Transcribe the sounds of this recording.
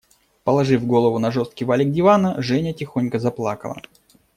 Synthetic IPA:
pəlˠɐʐɨvɡo̞lˠəvʊnɐʐost̪̚kʲɪvalʲɪɡ̚dʲɪvanəʐɛnʲətʲɪxo̞nʲkəzɐplˠakə̰lˠə̰

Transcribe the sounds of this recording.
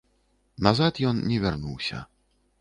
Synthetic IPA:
nazat̪jɔnnʲɛvʲarnuwsʲɐ̰

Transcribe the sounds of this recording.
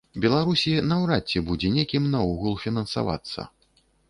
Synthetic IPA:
bʲɛlˠaɾusʲinɐwɾat͡sʲːɛbud͡zʲɛnʲekʲimnauɣulˠfʲinɐnsa̰va̰t̪sːɐ̰

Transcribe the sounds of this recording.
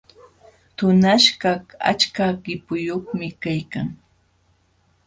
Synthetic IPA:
t̪ʊnaʃɢaa̰t͡ʃkaɢɪpʊjoχmɪkajkaŋ

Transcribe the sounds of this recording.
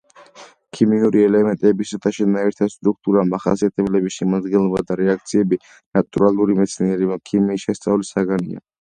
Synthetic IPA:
kʰimiuɾiɛlɛmɛnt̪ʼɛbisat̪ʰaʃɛnaɛɾt̪ʰast̪ʼɾuk̚t̪ʼuɾamaχa̰siat̪ʰɛblɛbiʃɛmad̪ɡɛnlˠɔbad̪aɾɛak̚ʰt̪sʰiɛbi | nat̪ʼuɾalˠuɾimɛt̪sʰniɛɾimakʰimiːʃɛst̪sʼavlisaɡanḭa̰

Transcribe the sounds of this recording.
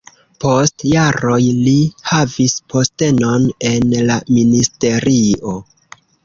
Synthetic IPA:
po̞stjaɾo̞jlihavispʰo̞ste̞no̞ne̞nlaministe̞ɾio̞

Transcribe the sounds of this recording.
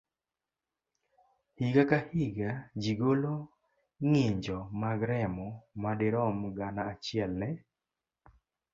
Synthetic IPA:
hiɡakahiɡad͡ʒiɡolo | ŋiɲd͡ʒɔmaɡɾɛmɔmadɪɾɔmɡanaːt͡ʃɪɛlnɛ

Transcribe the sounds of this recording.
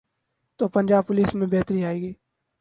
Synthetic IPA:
t̪oːpɐ̃nd͡ʒaːbpʊliːsmẽbɛɦt̪ɾiaːeːɡiː

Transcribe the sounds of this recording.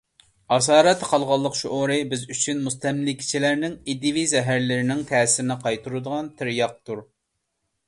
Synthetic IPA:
ɑs̬ɑːɾɛt̪ʰːɛqʰɑlˠʁɑlˠːəqʃuʔoɾɨbɪzyt͡ʃʰynmust̪ɛmlɪkʲʰi̥t͡ʃʰilæɾnɪŋid̪ivizɛɦæɾlɪɾɪnɪŋt̪ʰɛːsɪɾɪnɪqʰɑjt̪ʰuɾud̪əʁɑnt̪ʰɪɾjɑq̚t̪ʰuɾ

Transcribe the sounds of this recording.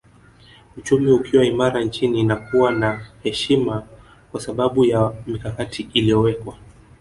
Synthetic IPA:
ut͡ʃumiukʰiwaimaɾant͡ʃiniːnakuwanahɛʃima | kwasaɓaɓujamikakatʰiilijɔwɛkwa

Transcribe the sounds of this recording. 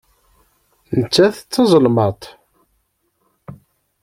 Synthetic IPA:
nət͡sːæθt͡sːɑzˤəlmət̪ˤ

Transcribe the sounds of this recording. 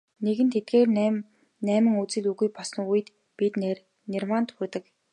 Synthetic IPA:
neɣɘ̆nt̪ʰet̪̚ɡeːr | næːmɘ̆ŋut͡sɘ̆ɮuɣujpɔs̆nujɘ̆t̪ | pit̪ner | nermant̪xɵ̆rt̪ɘ̆k

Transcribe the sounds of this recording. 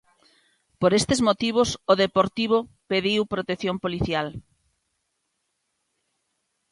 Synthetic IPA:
poɾest̪ezmot̪iβ̞ʊsoðepoɾt̪iβ̞o | peðiwpɾot̪eθjompoliθjal

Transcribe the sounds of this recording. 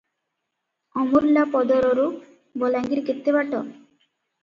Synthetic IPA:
ɔmuɾlapɔd̪ɔɾoɾu | bɔlaŋɡiɾket̪ːebaʈɔ

